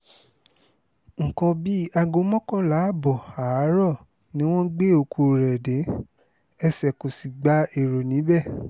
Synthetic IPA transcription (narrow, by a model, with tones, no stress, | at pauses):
ŋ̩˨kɔ̃˧bi˦a˧ɡo˧˦mɔ̃˦kɔ̃˦˨la˨˦˨bɔ˨a˨˦ɾɔ˦˨ | nĩ˦w̃ɔ̃˦ɡ͡be˦˨o˨kʰu˧ɾɛ˨de˨˦ | ɛ˧sɛ˨ko˨si˨ɡ͡ba˦e˨ɾo˨nĩ˨˦bɛ˦˨